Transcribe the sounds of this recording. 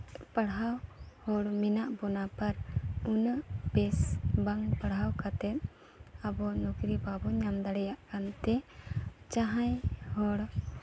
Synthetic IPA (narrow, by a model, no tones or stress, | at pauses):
paɽɦawhɔɽminaʔbɔnapaɾunəbɛsbaŋpaɽɦawkat̪ɛt̪̚ | abɔnɔkɾibabɔɲamd̪aɽɛjaʔkant̪ɛ | t͡ʃaɦãjhɔɽ